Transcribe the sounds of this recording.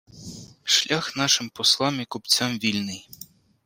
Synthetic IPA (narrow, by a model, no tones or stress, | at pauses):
ʂlʲaxnaʂɨmpɔslˠamikupt͡sʲamvʲilʲnɨj